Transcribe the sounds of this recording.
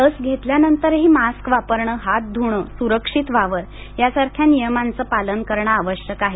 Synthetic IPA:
t̪əsɡʱet̪ljanənt̪əɾɦiːmaskʋapəɾɳəɦat̪̚d̪ʱuɽ̃əsuɾəkʂit̪ʋaʋəɾ | jasaɾkʰjanijəmant͡səːpalənkəɾɳaːʋəɕjəkaɦe

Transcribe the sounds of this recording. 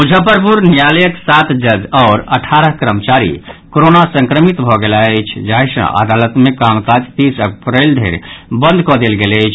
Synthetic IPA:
ud͡ʒʱəpəɾpuɾnijaləjəksat̪d͡ʒəd͡ʒɔːɾəʈʰaɾəɦkɾəmt͡ʃaɾḭkoɾonasə̃ŋkɾəmit̪bʱɔɡelaəjt͡ʃʰd͡ʒaɦesə̰̃ʔa̰d̪alət̪mekamkad͡ʒt̪isəpɾəɪld̪ʱḛɾbə̃nd̪ʱkɔd̪elɡeləɪt͡ʃʰ

